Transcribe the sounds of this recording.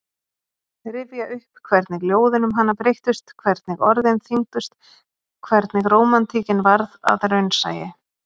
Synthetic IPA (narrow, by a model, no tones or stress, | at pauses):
ɾɪvjaʔʏhpkʰvɛɾt̪nɪɣljoːwðɪnʏmɦanːapɾejht̪ʏst̪kʰvɛɾt̪nɪɣɔɾðɪnθiŋt̪ʏst̪ | kʰvɛɾt̪nɪɣroːwmant̪ʰiːcɪnvaɾða̰ðɾœɥnsa̰ːjɪ